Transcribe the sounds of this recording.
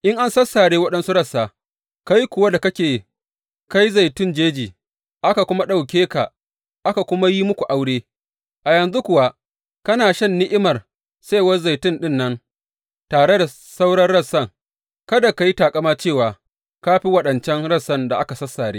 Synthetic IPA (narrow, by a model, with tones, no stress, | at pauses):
ʔɪ˦ŋʔa˦nsɐ˦sːaː˨ɽeː˦wɐ˦ɗɐ˦nsu˦ɽɐ˦sːaː˨ | ka˦ji˦kʷʊ˨wa˦da˨kɐ˦kʲeː˨ | ka˦ji˦za˨jtʊ˦˨nd͡ʒeː˦d͡ʒiː˨ | ʔa˦ka˨kʷʊ˦ma˦ɗa˨wk̬ʲeː˦ka˨ | ʔa˦ka˨kʷʊ˦ma˦ji˦mʊ˦kʷu˨ʔa˦wɽeː˦ | ʔa˨jɐ˨nzu˦kʷʊ˨wa˦ | kɐ˦naː˨ʃɐ˦˨nːɪ˦ʔɪ˦mɐ˨r | sa˦˨wɐ˦rza˨jtɪ˦nɗɪ˦˨nːɐ˦ŋ | taː˨ɽe˦da˨ | sa˦wɽɐ˦rɽɐ˦sːɐ˦˨ŋ | kɐ˦da˨ka˨ji˦taː˨kʼɐ˦maː˦t͡ʃeː˦˨waː˨ | ka˦ɸi˦wɐ˦ɗɐ˨nt͡ʃɛ˦ŋɽɐ˦sːɐ˦˨nda˨ʔa˦ka˨sɐ˦sːaː˨ɽḛː˦